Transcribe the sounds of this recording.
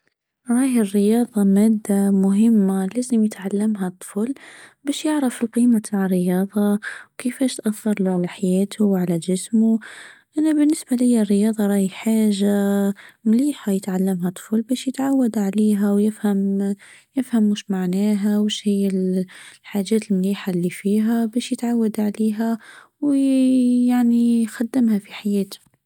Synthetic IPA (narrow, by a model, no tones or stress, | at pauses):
ɾˤɑːjɪrːɪjɑːðˤɑmæːd̪ːamʊɦɪmːalæːzɪmjɪt̪ʕalːamɦat̪ˤːflbæːʃjɪʕɾafɪlqiːmat̪ʰaʕrːɪjɑːðˤɑwkɪfæːʃt̪ʔaθːɑɾˤluʕalaħajæːt̪ʰuwʕalaʒɪsmuʔanabɪnːɪsbalɪjːarːɪjɑːðˤɑɾˤɑːjiħaːʒamliːħajət̪ʕalːəmhæt̪ˤːfuːlbæːʃjət̪ʕawːad̪ʕaliːɦæwjɪfhæmjɪfhæmːuʃmaʕnæːɦæwəʃhɪjːælħaʒɛːt̪əlmliːħalːifiɦæbæːʃjət̪ʕawːad̪ʕaliːɦæ | w | jaʕnixad̪ːəmhæfiħajæːt̪ʊ̥